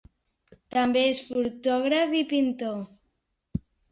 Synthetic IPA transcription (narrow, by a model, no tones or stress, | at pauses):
t̪ambeesfuɾt̪ɔɣɾafipint̪o